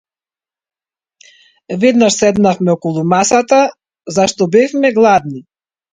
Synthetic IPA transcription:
vɛd̪naʃsɛd̪nafmɛɔkɔlˠumasat̪a | zaʃt̪ɔbɛfmɛɡlˠad̪ni

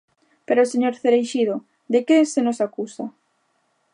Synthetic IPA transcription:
peɾoseɲoɾθeɾejʃiðo | d̪ekesenosakusa

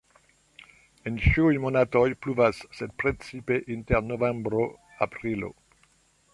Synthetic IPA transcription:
ent͡ʃiujmonatojpluvasːed̚pɾet͡sipeʔinteɾnovembɾo | apɾilo̰

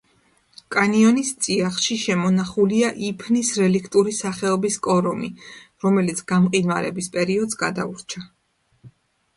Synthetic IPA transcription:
kʼaniɔnist̪sʼiaχʃiʃɛmɔnaχuliaʔipʰnisɾɛlikʰt̪ʼuɾisaχɛɔbiskʼɔɾɔmiɾɔmɛlit̪sʰɡ̥amqʼinwa̰ɾɛ̰bispʼɛɾiɔd̪zɡad̪a̰uɾt͡ʃʰa

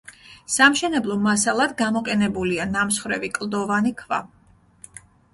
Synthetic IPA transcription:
samʃɛnɛblˠɔmasalˠad̪ɡamɔqʼɛnɛbulianamsχɾɛvikʼlˠd̪ɔvanikʰva̰

